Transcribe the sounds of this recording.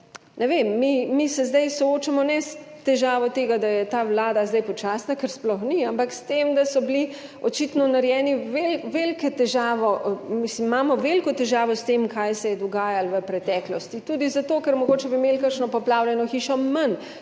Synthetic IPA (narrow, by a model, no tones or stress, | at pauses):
nɛʋemːimisɛzd̪ajsɔoːt͡ʃamɔnɛs | t̪ɛʒaːʋɔt̪eːɡad̪ajɛt̪aːwlaːd̪azd̪ajpɔt͡ʃaːsnakəɾsplɔxniampakst̪emd̪asɔbliɔt͡ʃit̪nɔnaɾjɛːniʋelʋelkɛt̪ɛʒaːʋɔmismmaːmɔʋelkɔt̪ɛʒaːʋɔst̪emkajsɛjɛd̪ɔɡaːjalʋəpɾɛt̪ɛːklɔst̪it̪uːd̪izat̪oːkɛɾmɔɡoːt͡ʃɛbimelkakʃnɔpɔplaːwlʲjɛnɔxiːʃɔmɐn